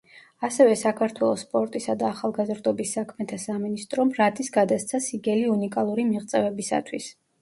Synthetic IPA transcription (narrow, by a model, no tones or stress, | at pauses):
asɛvɛsakʰaɾt̪ʰwɛlˠɔspʼɔɾt̪ʼisad̪aːχalˠɡazɾd̪ɔbisːakʰmɛt̪ʰasaminist̪ʼɾɔmɾat̪ʼisɡad̪ast̪sʰasiɡɛliunikʼalˠuɾimiʁt̪sʼɛvɛbisa̰t̪ʰwis